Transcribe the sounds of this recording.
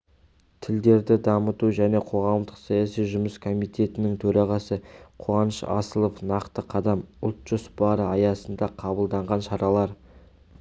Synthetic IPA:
t̪ʰɪld̪e̞ɾd̪ɪd̪ɑmət̪uʒæne̞qʰo̞ʁɑmd̪əqsɑjɑsijʒʊməskʰo̞mijt̪e̞t̪ɪnɪŋt̪ʰɵɾɑʁɑsəqʰoɑnəʃɑ̰səlˠofnɑqt̪əqʰɑd̪ɑmʊlˠt̪ʒ̥ʊsbɑɾəɑjɑsənd̪ɑqʰɑbəlˠd̪ɑɴʁɑnʃɑɾɑlˠɑɾ

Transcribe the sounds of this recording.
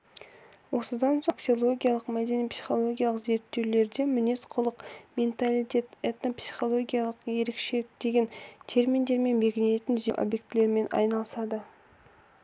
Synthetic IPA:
wo̞səd̪ɑnsoksio̞lˠo̞ɡʲijalˠəqmæd̪e̞nipsi̥χo̞lˠo̞ɡʲijalˠəqze̞ɾt̪ːe̞wle̞ɾd̪e̞mɪne̞sqʰʊlˠəqmʲent̪alit̪ʲe̞t̪et̪nopsi̥χo̞lˠo̞ɡʲijalˠəqje̞ɾekʃekd̪e̞ɡʲe̞nt̪ʰe̞ɾmind̪e̞ɾme̞nbe̞ɡʲɪnee̞t̪ɪnzeʔo̰bje̞k̚t̪ɪle̞ɾme̞nɑ̰jnɑlˠəsɑd̪ə

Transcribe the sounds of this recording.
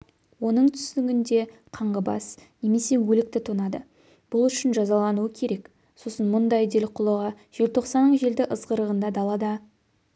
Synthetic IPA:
wo̞nəɴt̪ʰʏ̥st̪ɪɡʲɪnd̪e̞ | qʰɑɴʁəbɑ̰sne̞me̞se̞wɵlɪk̚t̪ɪt̪ʰonɑd̪ə | b̥ʊlˠʏʃɪnʒɑzɑlˠɑnuəkʲʰe̞ɾe̞k | so̞sənmʊnd̪ɑjd̪e̞lqʰʊlˠəʁɑ | ʒ̥e̞lt̪ʰo̞qsɑnːəɴʒe̞ld̪ɪʔəzʁəɾəʁənd̪ɑd̪ɑlˠɑd̪ɑ

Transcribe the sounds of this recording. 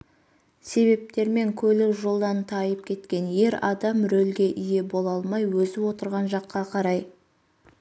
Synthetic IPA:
se̞βe̞p̚t̪e̞ɾme̞ŋkʲʰɵlɪʒolˠd̪ɑnt̪ʰɑjəp̚kʲʰe̞t̪kʲe̞nje̞ɾɑd̪ɑmɾɵlɡʲe̞ʔije̞bo̞lˠɑlˠmɑjwɵzɪwo̞t̪əɾʁɑnʒɑqːɑqʰɑɾɑj

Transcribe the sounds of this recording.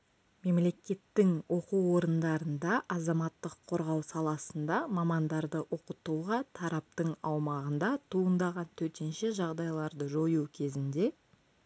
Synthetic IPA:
me̞mle̞kʲe̞t̪ːɪŋwʔo̞quwo̞ɾənd̪ɑɾənd̪ɑʔɑzɑmɑt̪ːəqʰːo̞ɾʁɑwsɑlˠɑsənd̪ɑmɑmɑnd̪ɑɾd̪əʔo̞qət̪uʁɑt̪ʰɑɾɑp̚t̪əɴɑwmɑʁənd̪ɑt̪ʰuənd̪ɑʁɑnt̪ʰɵɾt̪e̞nʃe̞ʒɑʁd̪ɑjlˠɑɾd̪əʒojuwkʲʰe̞zɪnd̪e̞

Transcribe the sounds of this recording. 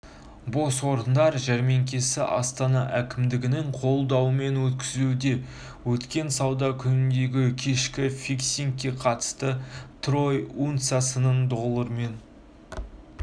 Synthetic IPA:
bo̞swo̞ɾənd̪ɑɾʒæɾme̞ŋkʲe̞sɪʔɑ̰st̪ɑnɑʔækʲɪmd̪ɪɡʲɪnɪɴqʰo̞lˠd̪ɑwəme̞nwɵt̪kʲɪzud̪e̞ | wɵt̪kʲe̞nsɑwd̪ɑkʲʰʏnɪnd̪e̞ɡʲɪkʲʰe̞ʃkʲɪfiksʲiŋkʲːe̞qʰɑt̪ə̥st̪ət̪ro̞junt̪sasənəɴd̪olˠəɾme̞n

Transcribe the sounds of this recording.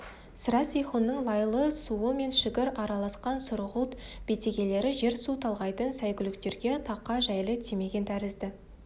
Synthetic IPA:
sɾɑsijχonːəɴlˠɑjlˠəsuəme̞nʃɪkʲɪɾɑɾɑlˠɑsqɑnsʊɾəʁut̪b̥e̞t̪e̞ɡʲe̞le̞ɾɪʒe̞ɾsut̪ʰɑlˠʁɑjt̪ənsæjkʲʏlɪkt̪e̞ɾɡʲe̞t̪ʰɑqːɑʒæjlɪt̪ʰime̞ɡʲent̪ʰæɾɪzd̪ɪ

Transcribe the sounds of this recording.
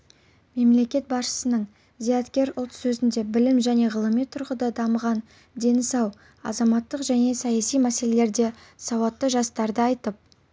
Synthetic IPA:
me̞mle̞kʲe̞t̪̚bɑsʃə̥sənəɴ | zijɑt̪kʲe̞ɾʊlˠt̪sɵzɪnd̪e̞bɪlɪmʒæne̞ʁəlˠəmijt̪ʰʊɾʁəd̪ɑd̪ɑməʁɑn | d̪e̞nsɑw | ɑ̰zɑmɑt̪ːəqʒæne̞sɑjɑsijmæse̞le̞le̞ɾd̪e̞ | sɑwɑt̪ːəʒɑst̪ɑɾd̪əɑjt̪əp̚

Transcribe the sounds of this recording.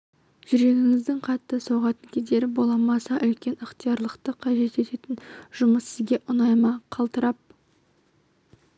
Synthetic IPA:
ʒ̥ʏɾe̞ɡʲɪŋɪzd̪ɪŋqʰɑt̪ːəsowʁɑt̪əŋkʲʰezd̪e̞ɾɪbo̞lˠɑmɑsɑʔʏlkʲe̞nəqt̪ijɑɾlˠəqt̪əqʰɑʒe̞t̪e̞t̪e̞t̪ɪnʒ̥ʊməssɪzɡʲe̞ʔʊnɑjmɑqʰɑlˠt̪əɾɑp̚

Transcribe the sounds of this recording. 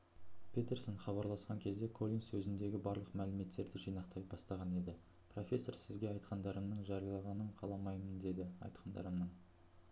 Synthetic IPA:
pʲʰet̪e̞ɾsoɴχɑβɑɾlˠɑsqɑŋkʲʰe̞zd̪e̞kʰo̞lʲijnsɵzɪnd̪e̞ɡʲɪbɑɾlˠəqmælɪme̞t̪ːe̞ɾd̪ɪʒijnɑqt̪ɑjbɑst̪ɑʁɑne̞d̪ɪ | pʰro̞fʲe̞sːo̞ɾsɪzɡʲe̞ɑjt̪qɑnd̪ɑɾəmnəɴʒɑɾijɑlˠɑʁɑnəɴqʰɑlˠɑmɑjmənd̪e̞d̪ɪɑ̰jt̪qʰɑnd̪ɑ̰ɾəmnən

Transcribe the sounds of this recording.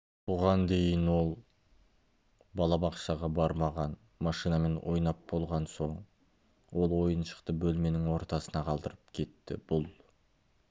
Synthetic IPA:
b̥ʊʁɑnd̪e̞jənwo̞lˠ | bɑlˠɑbɑqʃɑʁɑbɑɾmɑʁɑn | mɑʃijnɑme̞nwʔo̞̰jnɑp̚bo̞lˠʁɑnso̞ɴ | wo̞lˠwo̞jənʃə̥qt̪əbɵlme̞nɪŋwo̞ɾt̪ɑsənɑqʰɑlˠd̪əɾəp̚kʲʰe̞t̪ːɪ̰b̥ʊlˠ

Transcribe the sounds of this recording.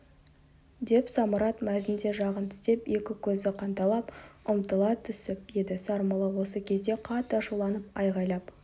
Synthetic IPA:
d̪e̞psɑməɾɑt̪mæzɪnd̪e̞ʒɑʁənt̪ʰʏ̥st̪e̞pje̞kʲɪkʲʰɵzɪqʰɑnt̪ɑlˠɑpʊmt̪əlˠɑt̪ʰʏsɪp̚je̞d̪ɪsɑɾməlˠəwo̞səkʲʰe̞zd̪e̞qʰɑt̪ːʃulˠɑnəpɑjʁɑjlˠɑp

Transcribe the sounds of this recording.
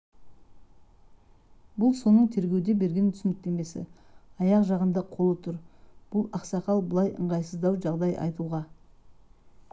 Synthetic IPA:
bʊlˠso̞nəɴt̪ʰe̞ɾɡʲe̞wd̪e̞be̞ɾɡʲe̞nt̪ʰʏsɪnɪk̚t̪e̞me̞sɪ̰ɑjɑqʒɑʁənd̪ɑqʰo̞lˠət̪ʰʊɾb̥ʊlˠɑqsɑqɑlˠbəlˠɑjʔə̰ɴʁɑjsəzd̪ɑwʒɑʁd̪ɑjʔɑ̰jt̪uʁɑ

